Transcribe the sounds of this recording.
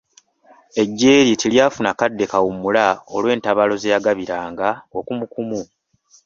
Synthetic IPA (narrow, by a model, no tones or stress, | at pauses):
e̞ɟːe̞ːɾitiljaːfunakadːe̞kawumulaolwe̞ːntaβalo̞zejaɡaβiɾaːŋɡao̞kumukumu